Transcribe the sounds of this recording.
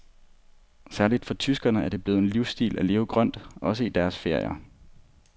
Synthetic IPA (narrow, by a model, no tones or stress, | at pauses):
sæɐlid̥fɒ̽t͡sʰysɡ̥ɐnəæɐd̥e̝b̥le̝ːð̩ˠenliʊsd̥ḭːlʔæle̝ːʊɡ̥ʁɶn̰d̥ɒ̽səid̥æɐsfe̝ɐ̰jɐ